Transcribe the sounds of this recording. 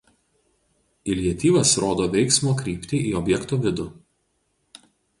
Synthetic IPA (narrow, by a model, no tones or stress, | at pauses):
ɪlʲiɛt̪ʲiːʋɐsɾoːd̪oːʋʲɛɪksmoːkɾʲiːpʲt̪ʲiʔiːɔbʲjɛkt̪oʋʲɪd̪ʊ